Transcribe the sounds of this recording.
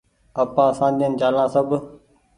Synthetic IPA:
əpãːsãːd̪iənd͡ʒaːlãːsəb

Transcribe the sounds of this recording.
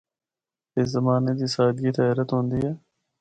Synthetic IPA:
ɪszɐmaːned̪iːsaːd̪ɡiːt̪aaːɾət̪ɦõːnd̪iɛː

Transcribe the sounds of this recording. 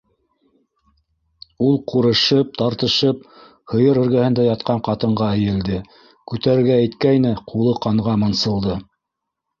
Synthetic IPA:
ulˠquɾɤ̆ʃɤp̚t̪ɑɾt̪ɤ̆ʃɤp̚ | hɤ̆jɤɾɵ̆ɾɡæhɘ̆nd̪æjɑt̪̚qɑɴqɑt̪ɤ̆ɴʁɑɘ̆jɘ̆ld̪ɘ | kʉt̪æɾɘ̆ɾɡæːjt̪kæjnɘqʰulˠɤqɑɴʁɑmɤ̆nsɤ̆lˠd̪ɤ

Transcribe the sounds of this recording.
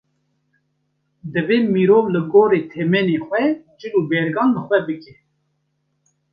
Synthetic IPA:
d̪ɨveːmiɾoːvlɨɡoːɾeːt̪ʰɛmɛnexʷɛd͡ʒɨluːbɛɾɡɑːnlɨxʷɛbɨkɛ

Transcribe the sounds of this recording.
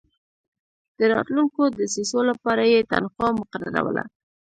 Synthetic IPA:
d̪̥əɾɑ̰t̪luŋkod̪əsisolapɑɾajet̪a̰nxɑmʊqaɾa̰ɾa̰wə̰la̰

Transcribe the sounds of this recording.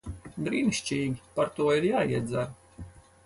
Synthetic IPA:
bɾiːniʃt͡ʃiːɡʲipaɾt̪uɔiɾjaːiɛd̪zaɾ

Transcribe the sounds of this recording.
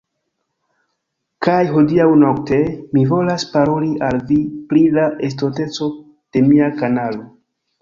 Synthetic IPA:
kajɦo̞diawno̞kte̞mivo̞laspaɾo̞liʔalvipɾilaʔe̞sto̞te̞t͡so̞ | d̥e̞miakanalo̞

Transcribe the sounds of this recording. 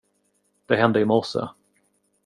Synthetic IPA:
d̪̥ɛɦɛnd̪əɪmɔsə̰

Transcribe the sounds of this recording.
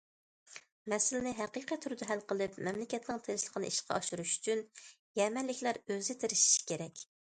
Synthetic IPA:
mɛsɪlɪnɪɦɛqiqit̪ʰːuɾɨd̪ɑɦælqəlˠɨpmɛmlɪkʲɛt̪nɨŋt̪ʰeʃlˠə̥qʰənɨʔiʃqʰɑ̰ɑʃuɾuʃy̥t͡ʃʰyn | jɛmɛnlːɪkʲlæɾøzɪt̪ʰeɾɪʃi̥ʃi̥kʲeɾɛkʲ

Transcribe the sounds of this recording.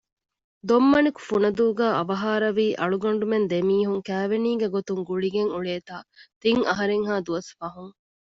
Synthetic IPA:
d̪omːɐniku̥funɐd̪uːɡæːʔɐʋɐɦaːɾɐʋiːʔɐɭuɡɐɳɖumend̪emiːɦuŋkæːʋeniːɡeɡot̪uŋɡuɭiɡeŋuɭeːt̪aːt̪iŋɐɦɐɾeŋɦaːd̪uʋɐsfɐɦuŋ

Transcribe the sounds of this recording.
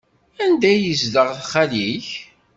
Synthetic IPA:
ænd̪æjizdəʁθχæliç

